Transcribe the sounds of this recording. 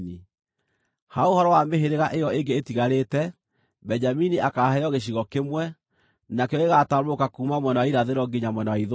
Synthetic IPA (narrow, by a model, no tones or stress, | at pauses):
ni | haohɔɾɔwameɦeɾeɣaʔejɔeŋɡeːtiɣaɾetɛ | bɛɲd͡ʒaminiʔakahɛɔɣeɕ̬iɣɔkemwɛ | nakeɔeɣataɾokakumamwɛnawaiɾaðeɾɔɡiɲamwɛnawaiðo